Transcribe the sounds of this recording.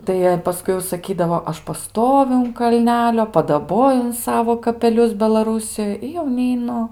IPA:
tɐɪ ˈjiɛ pɐˈskʊɪ jɛʊ sɐˈkʲiːdɐʋoː ˈɐʃ pɐˈstoːʋʲʊ ʊn kɐlʲˈnʲæːlʲoː pɐdɐˈboːjʊ ʊn ˈsɑːʋoː kɐpʲɛˈlʲʊs bʲɛlˠɐˈruːsʲɪjoːj ɪ jɛʊ nʲɛɪˈnʊ

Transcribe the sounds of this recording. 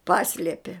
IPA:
ˈpɑːsʲlʲiɛpʲiɛ

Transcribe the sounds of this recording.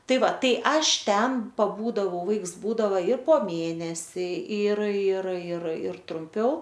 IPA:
ˈtɐɪ ˈʋɐ ˈtɐɪ ˈɐʃ ˈtʲɛn pɐˈbuːdɐʋɐʊ ˈʋɐɪks ˈbuːdɐʋɐ ɪr poː ˈmʲeːnʲɛsʲɪ ɪr ɪr ɪr ɪr trʊmʲˈpʲɛʊ

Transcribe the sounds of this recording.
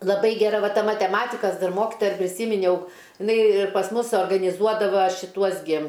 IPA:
lˠɐˈbɐɪ ɡʲɛˈrɐ ˈʋɐ ˈtɐ mɐtʲɛˈmɑːtʲɪkɐs ˈdɐr ˈmoːkʲɪtoːjɛ ɪr pʲrʲɪˈsʲiːmʲɪnʲɛʊ ɪˈnɐɪ pɐs ˈmʊs suɔrɡɐnʲɪˈzuɔdɐʋɐ ʃʲɪˈtuɔs ɡʲɪ

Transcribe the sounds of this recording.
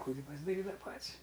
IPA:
tʲɪ ˈkuːjɪ pɐzdɐˈrʲiːdɐʋɐ ˈpɐtʲsʲ

